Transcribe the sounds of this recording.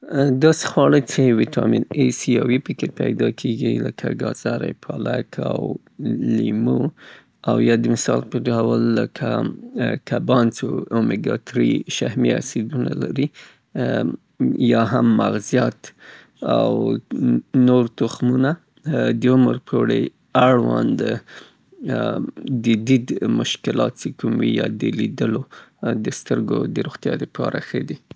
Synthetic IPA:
d̪ɑse̥xwɑɽəjt͡ʃewitʰɑminesiɑwipəkepajd̪ɑkʰeɡiləkʰaɡɑz̥ɑɾajpʰɑlakʰaw | limu | awjɑd̪əmɪsɑlpəɖawəlːəkʰa | kʰabɑnt͡soomiɡɑt̪ɾiʃahmia̰sid̪unalaɾi | jɑɦamːaɣzjat̪ | aw | noɾt̪ʊxmuna | d̪əʊməɾpʰoɽə | aɽwand̪ə | d̪əd̪id̪mʊʃkɪlɑt̪̚t͡ʃekumwijɑd̪əlid̪əlod̪əst̪əɾɡod̪əɾoɣt̪jɑd̪əpʰɑɾʔaxəd̪i

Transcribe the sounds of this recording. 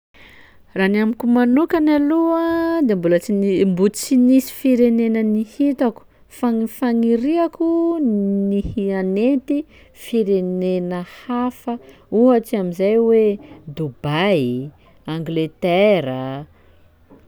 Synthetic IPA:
ranamikumanukanaluəd̪embulət͡sinmbut͡sinisi̥fiɾenenənihit̪aku̥ | faŋfaŋiɾiaku | nihianet̪i | fiɾenenəhafə | uɦat͡ʃiamizajwed̪ubaj | aŋɡlet̪eɾə

